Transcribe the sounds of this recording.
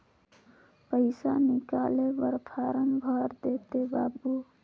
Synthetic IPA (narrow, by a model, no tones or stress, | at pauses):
pəɪsa̰nikalebəɾpʰaɾənbʱəɾd̪et̪ebabu